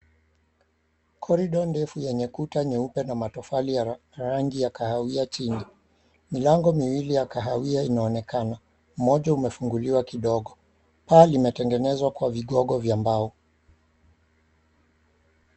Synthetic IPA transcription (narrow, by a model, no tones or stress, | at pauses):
kʰɔɾiɗɔndɛfujɛɲɛkutaɲɛupɛnamatɔfalija | ɾaŋɡijakahawiat͡ʃini | milaŋɡɔmiwilijakaɦawiainaɔnɛkana | mɔʄaumɛfuŋɡuliwakiɗɔɠɔ | palimɛtɛŋɡɛnɛzwakwaviɠɔɠɔvjambaɔ